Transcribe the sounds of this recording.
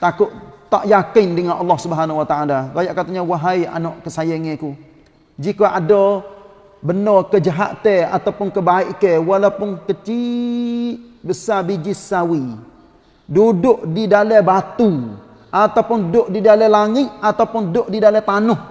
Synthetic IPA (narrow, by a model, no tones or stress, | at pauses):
t̪akʊʔt̪a̰ʔjakɪndəŋanɑlːɔhsubəɦanawat̪aalaɾajaʔkat̪aɲawaɦaja̰nɔʔkəsajaŋɛ̃ku | d͡ʒikoʔadɔ | bənɔkəd͡ʒaɦaʔt̪ɛa̰t̪awpʊnkəbaɪʔkewalawpʊnkət͡ʃi | ʔbəsabid͡ʒɪsawi | dudʊʔdidalɛbat̪u | ʔat̪awpʊndʊʔdidalɛlaŋɪt̪̚at̪awpʊndʊʔdidalɛt̪anʊh